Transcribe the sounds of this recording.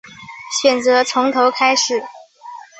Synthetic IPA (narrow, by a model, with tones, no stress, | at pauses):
ɕɥɛ˨˩nt͡sɤ˧˥t͡sʰʊ˧˥ŋt̪ʰo˧˥ʊkʰa˥ɪʂɻ̩˨˩˦